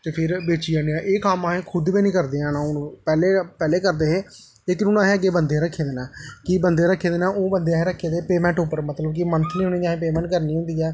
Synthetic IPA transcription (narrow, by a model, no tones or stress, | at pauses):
t̪eːpʰɪɾbeːt͡ʃiːãːniãːʔeːkaːmaːɦẽːkʰʊd̪biːnĩːkəɾd̪eːãːnãːʊnːpɛːleːpɛːleːkəɾd̪eːɦeː | leːkɪnʊnãːɦẽːəɡːeːbənd̪eːɾəkʰːeːd̪eːnãːkɪbənd̪eːɾəkʰːeːd̪eːnãːʔoːbənd̪eːɦẽːɾəkʰːeːd̪epeːmɛ̃ːɳʈʊpːəɾmət̪ləbkɪmənt̪ʰliːʊnĩːd͡ʒaːɦẽːpeːmɛ̃ːɳʈkəɾniːɦʊ̃nd̪iːɛː